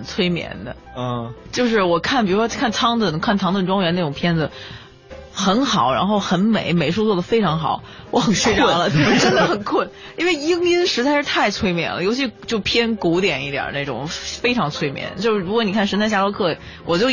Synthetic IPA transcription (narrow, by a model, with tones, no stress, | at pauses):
nt͡sʰwe˥ɪmjɛ̰˧˥nd̪ə̰˧˥˩ | t͡ɕjo˥˧ʊʂ̬ɻ̩˥˩wɔ˨˩kʰa˥˩np̬i˨˩ɻu˥ʂkʰa˥˩nt͡sʰɑ˥ŋt̪ə˥˩kʰa˥˩nt̪ʰɑ˧˥ŋt̪ə˥˩nʈ͡ʂwɑ˥ŋjɥɛ˧˥n˥˩ʈ͡ʂʊ˨˩ŋpʰjɛ˥nd͡z̩˨ | xə˧˥nxɑ˨˩˦ʊɻa̰˧˥nxo˥˩ʊxə˧˥nme˨˩˦ɪme˨˩ɪʂu˥˧t͡swɔ˥˩d̪ə˩fe˥ɪʈ͡ʂʰɑ˧˥ŋxɑ̰˨˩˦ʊ | wɔ˧˥xə˨˩ɕʰʈ͡ʂo˥˩wa˧˥lə˧˩t̪bə˧˩ʈ͡ʂə˥nd̪ə˨˩xə˨˩nkʰwə˥˩n | i˥nwe˥˩ɪi˥ŋi˥nʂɻ̩˧˥t͡sa˥˧ɪʂɻ̩˥˧t̪ʰa˥˩ɪt͡sʰwe˥ɪmjɛ̰˧˥˩nlə̰˦jo˧˥ʊt͡ɕʰi˧˥ʂt͡ɕjo˥˩ʊpʰjɛ˥nku˧˥t̪jɛ˨˩ni˥˩jɑ̰˨˩˦na˥˩ʈ͡ʂʊ̰˨˩ŋfe˥ɪʈ͡ʂʰɑ˧˥ŋt͡sʰwe˥ɪmjɛ̰˧˥nt͡ɕjo˥˧ʊʂɻ̩˥˩ɻu˧˥kwɔ˧˥ni˨˩kʰa˥˩nʂə˧˥nt͡sʰa˥˧ɪɕja˥lo˥kʰɤ˥˩ | wɔ˨˩t͡ɕjo˥˩ʊ